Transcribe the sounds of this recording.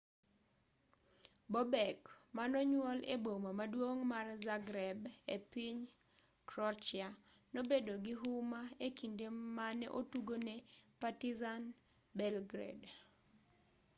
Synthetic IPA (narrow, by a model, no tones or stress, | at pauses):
bɔbɛkmanɔɲwɔlḛbomamadwoŋmarzaɡɾɛbepiɲ | kɾɔt͡ʃɪa | nobedoɡɪɦumaekindemanɛʔotuɡonɛpatizan | bɛlɡɾɛ̰d